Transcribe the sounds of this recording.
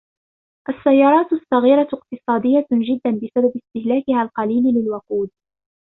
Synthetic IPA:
ʔasːajːɑːɾˤɑːt̪sːɑɣiːɾˤɑq̚t̪ɨsˤɑːd̪ɪjːaʒɪd̪ːanbɪsababɪst̪ɪhlaːkɪhaːlqɑliːllɪlwʊquːd̪̚

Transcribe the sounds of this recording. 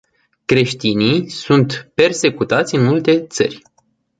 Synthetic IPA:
kɾe̞ʃt̪inisunt̪pe̞rse̞kut̪at̪sʲɨnmult̪e̞t̪sə̰rʲ

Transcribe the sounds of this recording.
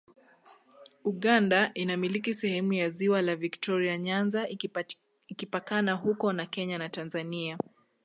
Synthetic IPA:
uɠandaʔinamilikisɛhɛmujaziwalaviktɔɾiaɲanza | ikipakanaɦukɔnakɛɲanatanzania

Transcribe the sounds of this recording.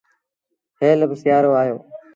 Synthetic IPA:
heːləbsjaːɾoːaːɦjo̰ː

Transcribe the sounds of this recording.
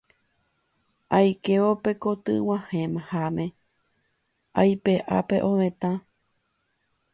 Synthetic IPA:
ajke̞ʋope̞ko̞t̪ɨ̰w̃ãhẽmãhamẽ | ajpe̞ʔa̰pe̞̰ʔõʋẽt̪ã

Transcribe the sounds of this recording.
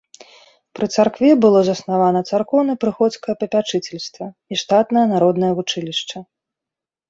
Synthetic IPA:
pɾɨt̪sarkvʲɛbɨlˠɔzɐsnavanɐt̪sarkɔwnɨpɾɨxɔt̪skɐjɐpɐpʲat͡ʂɨt͡sʲɛlʲst̪vɐiʂt̪at̪nɐjɐnaɾɔd̪nɐjɐvut͡ʂɨlʲiʂt͡ʂɐ

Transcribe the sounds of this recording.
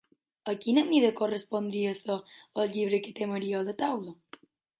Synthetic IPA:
əkinəmiðəkorəspond̪ɾiəsəəlʎiβɾəkət̪eməɾiələt̪awlə

